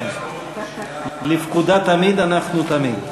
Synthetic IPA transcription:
lifkud̪at̪amid̪anaχnut̪amid̪

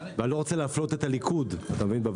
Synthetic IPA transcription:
vealo̞ʁot͡seleaflo̞t̪e̞t̪alikʰudat̪amevinbav

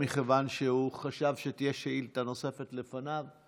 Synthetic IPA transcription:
iχevanʃeuχaʃavʃet̪ijeʃeilt̪ano̞se̞fetle̞fanav

